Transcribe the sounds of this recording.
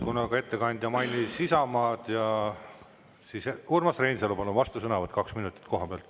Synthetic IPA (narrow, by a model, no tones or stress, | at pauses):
kunɑɡɑe̞t̪ːe̞kɑnʲd̪̥jɑmɑjnʲːisisɑmɑːd̪̥jɑ | siːsekuːrmɑsrejnʲselupɑnːuvɑst̪usɤnɑvɑt̪̚kɑksminut̪ˑi̥t̪ko̞ɦɑb̥elt̪